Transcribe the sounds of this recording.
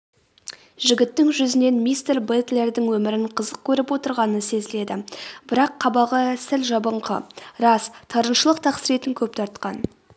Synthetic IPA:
ʒɪɡʲɪt̪ːɪŋʒʏzɪne̞nmijst̪erbet̪le̞ɾd̪ɪŋwɵmɪɾɪɴqʰəzəq̚kʲʰɵɾɪpwo̞t̪əɾʁɑnənse̞zɪle̞d̪ɪbɪɾɑqʰːɑbɑʁəsɪlʒɑbəɴqʰə̰ɾɑst̪ʰɑɾənʃəlˠəqt̪ʰɑqsəɾe̞t̪ɪŋkʲʰɵp̚t̪ʰɑɾt̪qɑn

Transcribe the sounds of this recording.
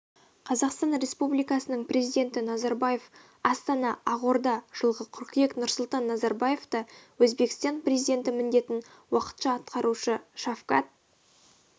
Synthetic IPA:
qʰɑzɑqst̪ɑnɾe̞spublijkɑsənəɴprʲezijd̪ʲe̞nt̪ɪnɑzɑɾbɑje̞f | ɑst̪ɑnɑɑʁo̞ɾd̪ɑʒ̥əlˠʁəqʰʊɾqjeknʊɾsʊlˠt̪ɑnːɑzɑɾbaje̞ft̪ɑwɵzbe̞kʲɪ̥st̪ɑnprʲezijd̪e̞nt̪ɪmɪnd̪e̞t̪ɪn | wɑqə̥t̪ʃɑːt̪qʰɑɾuʃəʃafqɑ̰t̪̚

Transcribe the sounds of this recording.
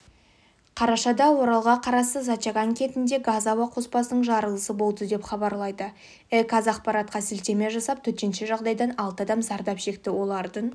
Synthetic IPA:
qʰɑɾɑʃɑd̪ɑwo̞ɾɑlˠʁɑqʰɑɾɑsəzɑt̪t͡ʃɑɡɑŋkʲʰe̞t̪ɪnd̪e̞ɡazawɑqʰo̞spɑsənəɴʒɑɾəlˠəsəbo̞lˠd̪əd̪e̞pχɑbɑɾlˠɑjd̪ə | ekʰazɑqpɑɾɑt̪̚qɑsɪlt̪e̞me̞ʒɑsɑp̚t̪ʰɵɾt̪e̞nʃeʒɑʁd̪ɑjd̪ɑnɑlˠt̪əɑd̪ɑmzɑɾd̪ɑpʃe̞k̚t̪ɪwo̞lˠɑɾd̪əɴ

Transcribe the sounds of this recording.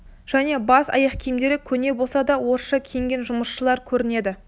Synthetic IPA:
ʒ̥æne̞bɑsɑ̰jɑqkʲʰijmd̪e̞ɾɪkʲʰɵne̞bo̞lˠsɑd̪ɑwo̞ɾʃɑkʲʰejŋɡʲe̞nʒʊməsʃəlˠɑɾkʲʰɵɾɪne̞d̪ɪ

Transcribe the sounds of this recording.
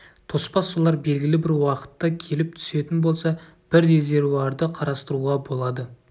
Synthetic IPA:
t̪ʰo̞spɑsːolˠɑɾbe̞lɡʲɪlɪbɪɾwɑqə̥t̪ːɑkʲʰe̞lɪp̚t̪ʰʏ̥se̞t̪ɪnbo̞lˠsɑ | b̥ɪɾɾe̞ze̞ɾvuɑɾd̪əqʰɑɾɑst̪əɾuʁɑbo̞lˠɑd̪ə

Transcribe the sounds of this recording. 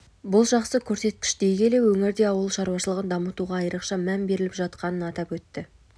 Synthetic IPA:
bʊlˠʒɑqsəkʲʰɵɾse̞t̪̚kʲɪ̥ʃd̪e̞jɡʲe̞le̞wɵŋɪɾd̪e̞ɑwəlˠʃɑɾuwɑʃəlˠəʁənd̪ɑmət̪uʁɑːjɾəqʃɑmænbe̞ɾɪlɪpʒɑt̪qɑnənɑt̪ɑpwɵt̪ːɪ

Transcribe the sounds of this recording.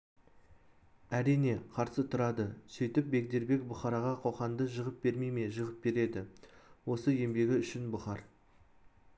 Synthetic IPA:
æɾijne̞qʰɑɾsət̪ʰʊɾɑd̪əsɵjt̪ɪp̚be̞k̚d̪e̞ɾbe̞kbʊχɑɾɑʁɑqʰo̞χɑnd̪əʒəʁəp̚b̥e̞ɾmejme̞ʒəʁəp̚be̞ɾe̞d̪ɪwo̞səe̞mbe̞ɡʲɪʏʃɪnbʊχɑɾ

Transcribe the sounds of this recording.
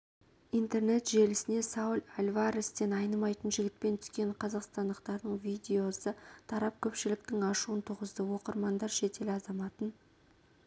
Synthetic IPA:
ijnt̪e̞rne̞t̪ʒe̞lɪsɪne̞sɑwʊlalʲvɑɾɪst̪e̞nɑjnəmɑjt̪ənʒɪɡʲɪt̪̚pe̞nt̪ʰʏ̥skʲe̞ɴqʰɑzɑqst̪ɑnd̪əqt̪ɑɾd̪əɴvʲid̪ʲe̞o̞sət̪ʰɑɾɑp̚kʲʰɵpʃɪlɪk̚t̪ɪŋɑʃuənt̪ʰʊʁəzd̪əwo̞qəɾmɑnd̪ɑɾʃe̞t̪e̞lɑzɑmɑt̪ən

